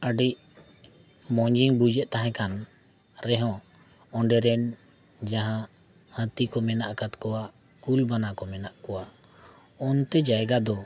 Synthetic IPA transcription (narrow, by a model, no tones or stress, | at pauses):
əɖiʔ | mɔ̃ɲd͡ʒiŋbud͡ʒɛʔ̚t̪aɦɛ̃kan | ɾɛɦɔ̃ | ɔɳɖɛɾɛn | d͡ʒaɦã | hə̃t̪ikɔmɛnaʔkat̪kɔwaʔ | kulbanakɔmɛnaʔkɔwa | ɔnt̪ɛd͡ʒajɡad̪ɔ